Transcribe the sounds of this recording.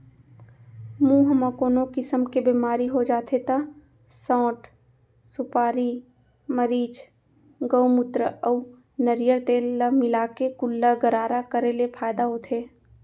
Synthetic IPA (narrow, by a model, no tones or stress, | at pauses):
mũːɦəmakoːnokɪsəmkebeːmaːɾiɦod͡ʒaːt̪ʰet̪a | sɔ̃ːʈ | sʊpaːɾi | məɾiːd͡ʒ | ɡəwmʊt̪ɾəəː | nəɾjəɾt̪eːlːəmɪlaːkekʊlːaɡəɾaːɾakəɾelepʰaːjd̪aɦot̪ʰeː